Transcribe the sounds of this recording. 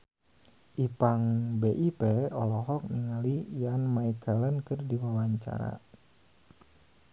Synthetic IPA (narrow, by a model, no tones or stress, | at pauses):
ʔipaŋbeʔipɛɔlɔɦɔk̚niŋalijanmaikɛlənkɨrdiwawaɲt͡ʃa̰ɾa̰